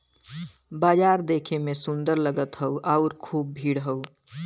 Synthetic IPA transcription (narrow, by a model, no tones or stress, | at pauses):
baːd͡ʒaːɾd̪eːkʰemesund̪əɾləɡət̪ɦəuʔaʊɾkʰuːb̚bʱiːɽɦəu